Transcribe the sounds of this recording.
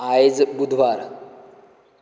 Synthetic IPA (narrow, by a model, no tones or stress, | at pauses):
aed͡zbud̪ʱʋaɾ